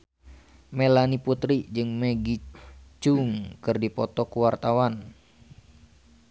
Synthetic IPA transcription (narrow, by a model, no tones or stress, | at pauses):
melaniput̪ɾid͡ʒɨŋmeɡit͡ʃuŋkɨrdipɔt̪ɔkuwart̪awan